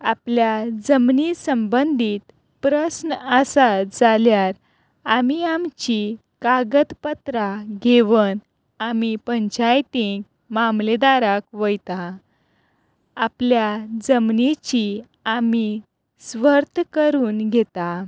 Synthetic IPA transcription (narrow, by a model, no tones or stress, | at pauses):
apljad͡zəmnisəmbənd̪ʱiːt̪ | pɾəsnəəsad͡zaljaɾ | amiamt͡ɕi | kaɡət̪pət̪ɾaɡʱeʋən | amipəɲt͡ɕajt̪iɡ | mamled̪aɾakʋəjt̪a | apljad͡zəmnit͡ɕi | ami | sʋəɾt̪ʰkəɾuːnɡʱet̪a